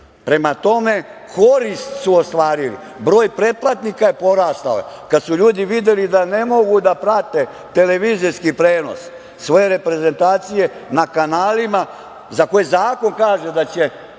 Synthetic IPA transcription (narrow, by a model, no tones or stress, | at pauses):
pɾe̞mat̪o̞me̞ | kʰo̞ɾist̪suost̪ʋaːɾilḭ | bɾo̞ːjpɾe̞plˠat̪nikaje̞po̞ɾaːst̪ao̰je | kad̪suʎuːd̪iʋid̪je̞lid̪ane̞mo̞ɡud̪apɾat̪e̞ | t̪e̞le̞ʋiːziskipɾe̞ːno̞̰s | sʋojeɾe̞pɾe̞ze̞nt̪aːt̪sije̞nakanaːlima | zakojezaːko̞nkaːʒe̞d̪at͡ɕe̞